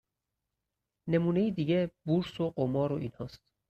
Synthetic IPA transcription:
nemuːnejid̪iːɡebuɾsoɢomɒːɾoʔiːnhɒːst̪̚

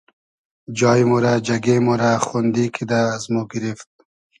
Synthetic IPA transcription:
d͡ʒɑːjmoɾad͡ʒaɡemoɾaχund̪ikʰid̪aːzmoɡɪɾift̪̚

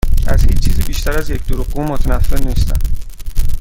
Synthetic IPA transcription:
ʔæzhiːt͡ʃʰːiːziːbiːʃt̪ʰæɾæzjecd̪oɾuɣ̚ɡuːmot̪ʰænæfːeɾniːst̪æ̰n

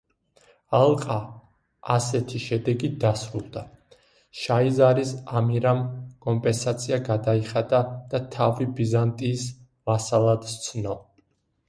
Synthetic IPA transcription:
alˠqʼaː | sɛt̪ʰiʃɛd̪ɛɡid̪asɾulˠd̪a | ʃaizaɾisamiɾamkʼɔmpʼɛnsat̪sʰiaɡad̪aiχad̪ad̪̥at̪ʰavibizant̪ʼiːs | masalˠad̪st̪sʰnɔ

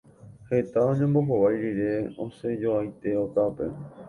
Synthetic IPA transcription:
he̞t̪aõɲẽ̞mbo̞ɦowajɾiɾe̞õ̰se̞d͡ʒoajt̪e̞ot̪ape̞̰

